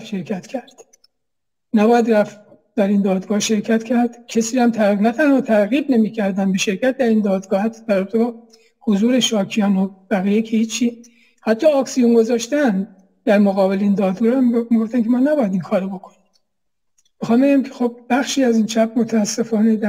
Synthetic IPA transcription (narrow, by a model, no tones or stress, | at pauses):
fʃe̞ɾcʰæt̪cʰæɾd̪̥ | næbɒːjæd̪ræf | d̪̥æɾiːnd̪ɒːd̪ɡɒːhʃe̞ɾcʰæt̪cʰæɾd̪̥cʰesiːhæmt̪ʰænæt̪ʰænhɒːt̪ʰæɾɣiːb̚ne̞miːcʰæɾd̪ænd̪be̞ʃe̞ɾcʰæt̪̚d̪æɾiːnd̪ɒːd̪ɡɒːhæt̪ʰːɒ̥d̪̥æɾobt̪ebɒ | hozuːɾeʃɒːkʰijɒnob̥æɣiːjecʰehiːt͡ʃʰːiː | hæt̪ʰːɒːksijunɡo̞zɒːʃt̪ænd̪ | d̪̥æɾmoɣɒːbe̞leiːnd̪ɒːd̪ɡɒːɾæmɡomiɡoft̪ænkʲʰemɒːnæbɒːjæd̪iŋkʰɒːɾobo̞kʰoni | mexɒːmbeɟæmcʰe̞xob̚bæxʃiːæziːnt͡ʃʰæp̚ʰmo̞t̪ʰæːsːe̞fɒːne̞d̪æ